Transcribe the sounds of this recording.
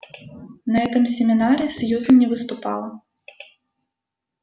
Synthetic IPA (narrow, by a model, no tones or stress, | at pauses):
nɐɛt̪ɨmsʲɛmʲinaɾisjuzɐnʲɛvɨst̪ʊpɑ̰lˠɐ